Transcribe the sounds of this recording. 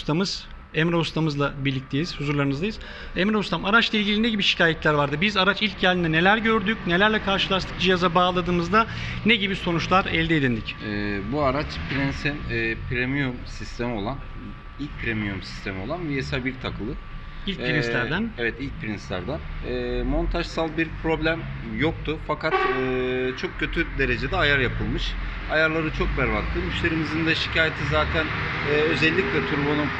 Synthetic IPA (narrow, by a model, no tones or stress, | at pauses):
st̪ʰamɯz̥ | ɛmɾaust̪ʰamɯzlˠabiɾlʲic̚t̪ʰe̞jiz̥huzuɾlˠaɾɯnɯzd̪ajɯz̥ | ɛmɾust̪ʰamaɾat͡ʃlˠailʲɟilʲinɛɟibiʃi̥cʰaːjɛt̪lʲæɾvaɾd̪ɯbizaɾat͡ʃilʲc̚ɟælʲd̪ind̪ɛne̞lʲæɾɟø̞ɾd̪ycne̞lʲæɾlʲɛkʰaɾʃɯlˠaʃt̪ʰɯk̚d͡ʒijazabaːlˠad̪ɯːmɯzd̪a | nɛɟibiso̞nut͡ʃlˠaɾɛlʲd̪eːd̪ʲind̪icɛbuaɾat͡ʃpʰɾinsɛpʰɾemijumsist̪ʰemo̞lˠan | ilʲc̚pʰiɾemijumsi̥st̪ʰe̞mo̞lˠanvijesabiɾt̪ʰakɯlˠɯ | ilʲcɾinslʲæɾd̪ænevɛt̪ilʲc̚pʰiɾinsʲæ̰ɾd̪ɛnɛːmo̞nt̪ʰaʒsalˠbiɾpʰɾo̞blʲæm | jo̞k̚t̪ʰufakat̪ɯːt͡ʃʰo̞k̚cʰø̞t̪ʰyd̪e̞ɾe̞d͡ʒe̞d̪ɛajaɾjapʰɯlˠmɯʃ | ajaɾlˠaɾɯt͡ʃʰo̞k̚bæɾβakt̪ʰˠɯmyʃlʲe̞ɾimizind̪ɛʃi̥cʰaːjet̪ʰizaːt̪ʰæn | ɛːø̞zɛlʲːicʲlʲɛt̪ʰuɾbonu